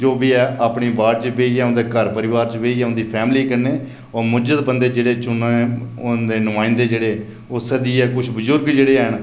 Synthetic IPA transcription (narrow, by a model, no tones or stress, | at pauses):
d͡ʒoːbiːɛːaːpɳiːbaːɾt͡ʃəʋeːiːɛːʊ̃nd̪eːkəɾpəɾɪʋaːɾt͡ʃʋeːiːɛːʊ̃nd̪iːpʰɛːmliːkəɾneː | ɔːɾmʊd͡ʒəd̪bənd̪eːd͡ʒeːɽeːt͡ʃʊnõɛ̃ːʊd̪eːnʊmaːɪnd̪eːd͡ʒeːɽeː | ʊsɛd̪iːɛːkʊt͡ʃʰbəzʊɾɡd͡ʒeːɽeːɛːɳ